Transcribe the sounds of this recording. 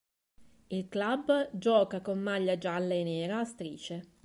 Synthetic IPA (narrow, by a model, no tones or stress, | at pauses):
ilklabd͡ʒɔːkakomːaʎːad͡ʒalːeneːɾaːst̪ɾiːt͡ʃe